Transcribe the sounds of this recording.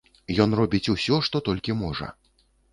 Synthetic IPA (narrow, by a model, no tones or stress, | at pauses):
jɔnrɔbʲit͡sʲusʲɔʂt̪ɔt̪ɔlʲkʲimɔʐɐ̰